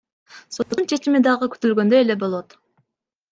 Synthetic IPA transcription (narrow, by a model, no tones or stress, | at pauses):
sont͡ʃʰe̞t͡ʃimid̪ɑʁəky̥t̪ylɡø̞nd̪ø̞e̞le̞bo̞lˠo̞t̪